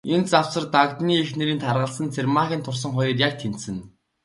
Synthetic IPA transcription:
ent͡saw̥sə̆rt̪akt̪niːexneɾiːnt̪ʰarʁə̆ɮsə̆nt͡sʰermaːxʲiːnt̪ʰʊrs̬ə̆ŋχʊjɞ̆ːrjak̚t̪ʰen̥t̪sɘ̆n

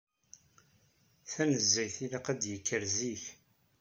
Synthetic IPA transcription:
θænəzːæjθilaqæd̪jəkːəɾziθ

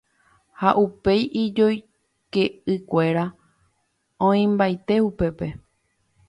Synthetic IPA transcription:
haʔupe̞jʔid͡ʒo̞j | ke̞ɨkʷe̞ɾa | õĩmbajt̪e̞upe̞pe̞

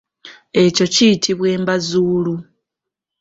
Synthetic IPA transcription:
e̞co̞cijitʰiβwe̞ːmbazuːlu

